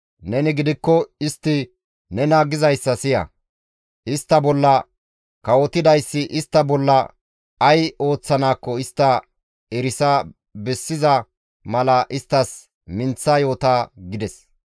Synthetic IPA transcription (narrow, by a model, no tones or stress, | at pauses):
nɛnɪɡɪd̪ɪkːɔɪst̪ːɪ | nɛnaːɡɪzɐjsːɐsɪjɐ̰ | ʔɪst̪ːɐbɔlːɐ | kɐwɔt̪ɪd̪ɐjsːɪʔɪst̪ːɐbɔlːɐ | ɐjo̞ːt͡sːɐnaːkːɔɪst̪ːɐ | ɛɾɪsɐ | bɛsːɪzɐ | mɐlɐʔɪst̪ːɐs | mɪnt͡sːɐjo̞ːt̪aːɡɪd̪ɛs